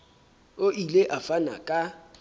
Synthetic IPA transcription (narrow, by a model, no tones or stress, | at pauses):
oʔileʔafana̰kʼa